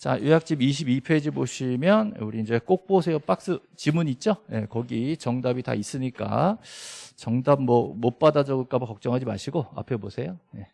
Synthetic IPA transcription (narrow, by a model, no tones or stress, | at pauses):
t͡ɕajujak̚t͡ɕ͈imiɕ̬ʰibipʰed͡ʑimoɕʰimjʌnuɾiind͡ʑe̞k͈ok̚p͈osʰe̞jop͈ak̚s͈ɯ | t͡ɕimuɲit̚t͡ɕ͈oje̞kʌɡit͡ɕʌŋdabita̰is͈ɯɲik͈a̰ | t͡ɕʌŋdam̚mʌmop͈adad͡ʑʌɡɯɭk͈abokʌk̚t͡ɕ͈ʌŋɦad͡ʑimaɕʰiɡoa̰pʰebosʰe̞joje̞